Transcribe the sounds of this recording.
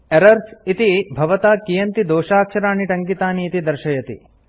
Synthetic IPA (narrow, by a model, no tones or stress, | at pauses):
eɾɐɾsit̪ibʱɐʋɐt̪aːkijɐnt̪id̪oːʃaːkʂɐɾaːniʈɐŋkit̪aːniːt̪id̪ɐɾʃɐjɐt̪ḭ